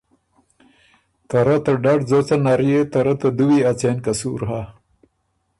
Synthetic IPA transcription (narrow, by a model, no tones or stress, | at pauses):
t̪aɾat̪ɐɖaɖzot͡sanaɾijet̪aɾat̪ad̪uwiat͡senkasṵːɾɦa